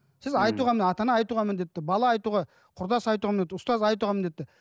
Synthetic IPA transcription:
sɪzɑjt̪uʁɑmɪnɑt̪ɑnɑːjt̪uʁɑmɪnd̪et̪ːɪbɑlˠɑːjt̪uʁɑ | qʰʊɾd̪ɑsɑjt̪uʁɑmɪnet̪ːʊst̪ɑzɑjt̪uʁɑmɪnd̪e̞t̪ːɪ

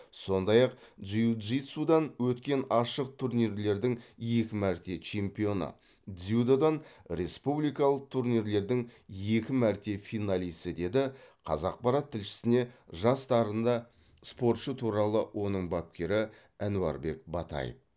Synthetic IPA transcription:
so̞nd̪ɑjɑq | dʒijuʒit̪sud̪ɑnwɵt̪kʲe̞nɑʃəq̚t̪ʰuɾnijɾle̞ɾd̪ɪŋje̞kʲɪmæɾt̪e̞t͡ʃʰe̞mpijo̞nə̰ | d̪zijud̪od̪ɑnɾe̞spublijkɑlˠəq̚t̪ʰuɾnijɾle̞ɾd̪ɪŋje̞kʲɪmæɾt̪e̞fijnɑlijsəd̪e̞d̪ɪqʰɑ̰zɑq̚pɑɾɑt̪ʰːɪlʃɪ̥sɪne̞ʒɑst̪ɑɾənd̪ɑ | spo̞ɾt̪ʃət̪ʰuɾɑlˠəwʔo̞nəɴbɑp̚kʲe̞ɾɪ | ænuɑ̰ɾbe̞kbɑ̰t̪ɑ̰jə̰f

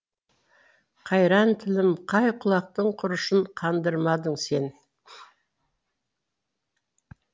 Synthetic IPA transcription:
qʰɑjɾɑnt̪ʰɪlɪmqʰɑjqʰʊlˠɑq̚t̪əɴqʰʊɾəʃəɴqʰɑnd̪əɾmɑd̪əɴse̞n

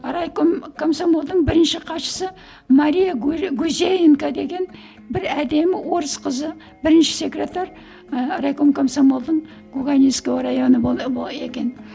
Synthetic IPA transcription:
ɾajkomkʰomsomolˠd̪əɴbɪɾɪnʃɪqʰɑt̪ʃə̥sə | maɾijaɡuzʲejeŋkad̪e̞ɡʲe̞n | bɪɾæd̪e̞mɪwo̞ɾəsqʰəzə | bɪɾɪnʃɪ̥sʲe̞krʲe̞t̪ar | rajkomkʰomsomolˠd̪əɴ | ɡuɡanij̪skowɾajo̞nəe̞kʲe̞n

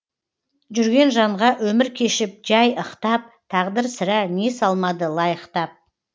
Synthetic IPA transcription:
ʒʏɾɡʲe̞nʒɑɴʁɑʔwɵmɪɾkʲʰe̞ʃɪp̚ʒɑjəqt̪ɑp̚t̪ʰɑʁd̪əɾsɪɾæne̞sɑlˠmɑd̪əlˠɑjəqt̪ɑp̚

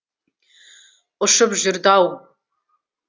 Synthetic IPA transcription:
əʂɨbʒʊrdaw

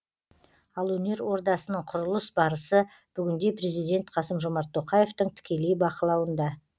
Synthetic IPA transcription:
ɑlˠwɵne̞ɾwo̞ɾd̪ɑsənəɴqʰʊɾəlˠəsbɑɾəsə | b̥ʏɡʲɪnd̪e̞pɾe̞zijd̪ʲe̞nt̪qʰɑsəmʒomɑɾt̪ʰːo̞qɑje̞ft̪əɴt̪ʰɪ̥kʲe̞le̞jbɑqəlˠɑwənd̪ɑ

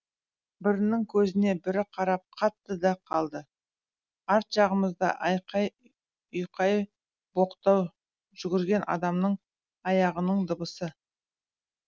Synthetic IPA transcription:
bɪɾɪnɪŋkʲʰɵzɪne̞bɪɾɪqʰɑɾɑp̚qʰɑt̪ːəd̪ɑqʰɑlˠd̪ə | ɑɾt̪ʒɑʁəməzd̪ɑ̰ʔɑjqɑj | ʏjqʰɑj | b̥o̞qt̪ɑw | ʒ̥ʏɡʲɪɾɡʲe̞nʔɑ̰d̪ɑmnəɴ | ɑjɑʁənəɴd̪əbəsə

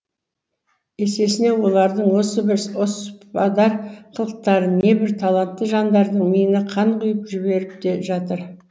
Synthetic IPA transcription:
e̞se̞sɪne̞wo̞lˠɑɾd̪əɴwo̞səbɪɾospɑd̪ɑɾqʰəlˠəq̚t̪ɑɾəne̞bɪɾt̪ʰɑlˠɑnt̪ːəʒɑnd̪ɑɾd̪əɴmijɪnɪqʰɑɴqʊjəpʒɪβe̞ɾɪp̚d̪e̞ʒɑt̪əɾ

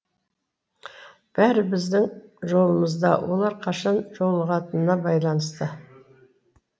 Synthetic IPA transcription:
b̥æɾɪbɪzd̪ɪŋʒo̞lˠəməzd̪ɑ̰wo̞̰lˠɑɾqʰɑʃɑnʒo̞lˠəʁɑt̪ənənɑbɑjlˠɑnəst̪ə

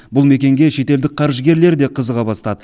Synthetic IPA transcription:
bʊlˠme̞kʲe̞ŋɡʲe̞ʃe̞t̪e̞ld̪ɪk̚qʰɑɾʒəɡʲe̞ɾle̞ɾd̪e̞qʰəzəʁɑbɑst̪ɑd̪ə

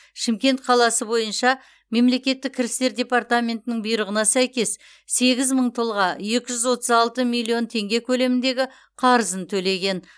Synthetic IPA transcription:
ʃɪmkʲe̞nt̪qʰɑlˠɑsəbo̞jənʃɑ | me̞mle̞kʲe̞t̪ːɪkʲʰːɪɾɪst̪e̞ɾdʲe̞part̪amʲe̞nt̪ɪnɪŋbijɾəʁənɑsæjkʲe̞sː | e̞ɡʲɪzməɴt̪ʰolˠʁɑje̞kʲɪʒʏzwo̞t̪əzɑlˠt̪əmilʲːio̞nt̪ʰe̞ŋɡʲe̞kʲʰɵle̞mɪnd̪e̞ɡʲɪ | qʰɑɾəzənt̪ʰɵle̞ɡʲe̞n

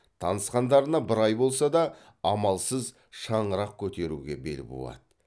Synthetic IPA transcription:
t̪ʰɑnəsqɑnd̪ɑɾənɑbɪɾɑjbo̞lˠsɑd̪ɑː | mɑlˠsəz | ʃɑɴəɾɑq̚kʲʰɵt̪e̞ɾṵɡʲe̞be̞̰ɾɪ̰p̚bo̞̰lˠɑ̰d̪ə

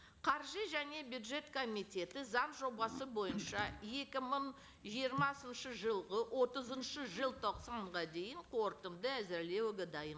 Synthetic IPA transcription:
qʰɑɾʒiʒæne̞bjud̪ʒe̞t̪kʰo̞mijt̪ʲe̞t̪ɪzɑnʒo̞bɑsəbo̞jənʃɑje̞kʲɪməɴ | ʒijəɾmɑsənʃəʒəlˠʁəwʔo̞t̪əzənʃəʒəlˠt̪ʰo̞qsɑɴʁɑd̪e̞jɪɴqʰo̞ɾt̪ənd̪əæzɪɾle̞wɡʲɪd̪ɑjən

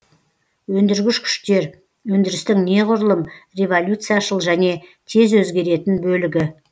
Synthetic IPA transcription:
wɵnd̪ɪɾɡʲɪʃkʲʰʏ̥ʃt̪e̞ɾ | wɵnd̪ɪɾɪst̪ɪŋne̞ʁʊɾəlˠəmre̞volʲjut̪sɨjaʃəlˠʒæne̞t̪ʰe̞zwɵzɡʲe̞ɾe̞t̪ɪnbɵlɪɡʲɪ

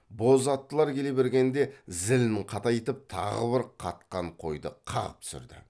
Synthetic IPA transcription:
bo̞zɑt̪ːəlˠɑɾkʲʰe̞le̞βe̞ɾɡʲe̞nd̪e̞zɪlnɪɴqʰɑt̪ɑjet̪əp̚t̪ʰɑ̰ʁə̰bɪɾqʰɑt̪̚qɑɴqʰo̞̰jd̪ə̰qʰɑ̰ʁəp̚t̪sʏ̰ɾd̪ɪ̰

